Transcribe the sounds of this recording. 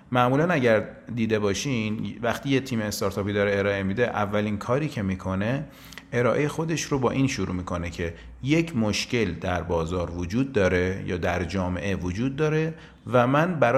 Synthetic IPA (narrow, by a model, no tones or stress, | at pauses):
mæʔmuːlænæɟæɾd̪iːd̪e̞bɒːʃinvæxt̪ʰiːjet̪ʰiːmeːst̪ɒːɾt̪ʰɒːpiːd̪ɒːɾeeɾɒːʔe̞mid̪e̞ʔævːæliːnkʰɒːɾiːcʰe̞miːkʰo̞ne̞ | ʔeɾɒːʔe̞jexo̞d̪e̞ʃɾobɒːʔiːnʃuɾṵmiːkʰo̞ne̞cʰe̞ | je̞cʰmoʃce̞ld̪æɾbɒːzɒːɾvod͡ʒuːd̪̚ːɒːɾe̞jɒ̰ːd̪æɾd͡ʒɒːme̞̰ʔe̞vod͡ʒuːd̪̚ːɒːɾe̞ | væmænbæɾ